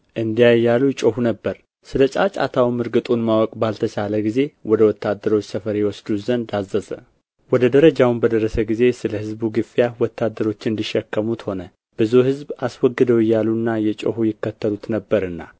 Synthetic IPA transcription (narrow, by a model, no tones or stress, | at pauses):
ʔɨnd̪ijajːalujt͡ʃʼohunəbːəɾ | sɨlət͡ʃʼa̰t͡ʃʼa̰t̪ʰawmɨɾɡɨt̪ʼunmawɔkʼbalt̪ʰət͡ʃʰaləɡize̞wɔd̪əwɔt̪ʰːad̪ːəɾo̞t͡ʃʼːsəfəɾjɛwɔsd̪uzənd̪azːəzə̰ | wɔd̪əd̪əɾəd͡ʒawnbəd̪əɾəsəɡize̞sɨləhɨzbuɡɨfijawɔt̪ʰːad̪ːəɾo̞t͡ʃːɨnd̪iʃːɛkːəmut̪ho̞nə | b̥ɨzuhɨzbaswɔɡːɨd̪əwɪjːalunːajɛt͡ʃʼo̰hujɪkːət̪ːəlut̪nəbːəɾɨnːa̰